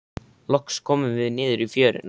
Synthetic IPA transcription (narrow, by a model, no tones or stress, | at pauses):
lɔkskʰɔːmʏmvɪðnɪːðʏɾifjœːɾɪ̰n